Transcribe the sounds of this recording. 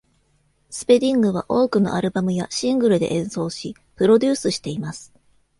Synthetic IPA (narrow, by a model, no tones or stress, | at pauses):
sɨ̥pe̞d̪ʲĩŋɡɯ̟β̞a̰ʔo̞ːkɯno̞̰ʔaɾɯ̟bamɯ̟jaɕĩŋɡɯ̟ɾɯ̟d̪e̞ʔẽ̞ɰ̃so̞ːɕi | pɯ̟ɾo̞d̪ʲɨːsɨɕi̥t̪e̞imasɨ̥